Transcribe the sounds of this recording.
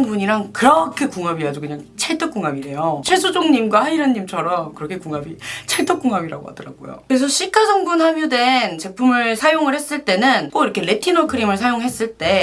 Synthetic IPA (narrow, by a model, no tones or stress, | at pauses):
ŋbuɲiɾaŋkɯɾʌkʰe̞kuŋabiad͡ʑukɯɲaŋt͡ɕʰeɭtʰɯk͈uŋabiɾe̞jot͡ɕʰes̬ʰud͡ʑoŋɲimɡwahaiɾanːimt͡ɕʰʌɾʌmkɯɾʌkʰe̞kuŋabit͡ɕʰeɭtʰɯk͈uŋabiɾa̰ɡo̰ɦa̰dɯɾa̰ɡ̥o̰jo̰kɯɾes̬ʰʌɕʰik͈ʰasʰʌŋbunhamjude̞nt͡ɕe̞pʰumɯɭsʰajoŋɯɭhe̞s͈ɯɭt͈e̞nɯnk͈oiɾʌkʰe̞ɾe̞tʰinokʰɯɾimɯɭsʰajoŋɦe̞s͈ɯɭt͈e̞